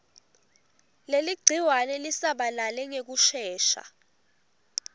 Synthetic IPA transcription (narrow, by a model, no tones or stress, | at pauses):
leliɡ͡ǀʱiwanɛlisaɓalalɛŋek̬uʃɛːʃa̰